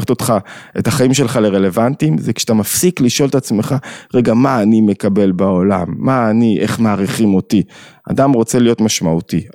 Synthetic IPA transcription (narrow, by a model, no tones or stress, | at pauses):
t̪o̞tχaʔe̞taχaimʃe̞lχale̞ʁe̞le̞vantimzekʃatamafsikliʃo̞lt̪at͡smeχaʁe̞ɡamaːnime̞kabe̞lbao̞lamːaːniʔe̞χmaːʁiχimo̞tia̰damʁo̞t͡se̞lijo̞t̪maʃmauti